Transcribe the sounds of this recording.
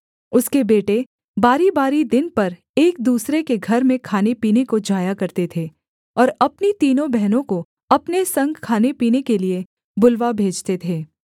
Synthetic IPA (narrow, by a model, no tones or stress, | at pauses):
ʊskebeːʈe | baːɾibaːɾid̪ɪnpɐɾ | eːk̚d̪uːsɾekeɡʱɐɾmẽkʰaːnepiːnekod͡ʒaːjakɐɾt̪et̪ʰeː | ɔːɾɐpnit̪iːnõbɛɦnõko | ɐpnesɐ̃ŋɡkʰːaːnepiːnekelie | bʊlʋabʱeːd͡ʒt̪et̪ʰeː